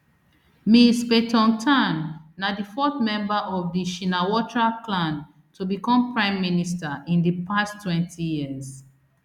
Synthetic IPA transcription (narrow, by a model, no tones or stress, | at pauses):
mispetʰɔ̃ntʰãnːadifɔθmɛ̃mbaʔɔvdiʃinawɔtɹapʰlãn | tʰubikɔ̃mpɹãɪ̃mːinistaʔĩndipʰastʰːwɛ̃ntʰijiz